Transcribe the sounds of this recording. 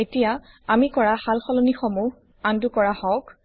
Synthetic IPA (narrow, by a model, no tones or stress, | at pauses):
etija | amikɔɹahalxɔlɔnixɔmuɦ | andukɔɹahɔk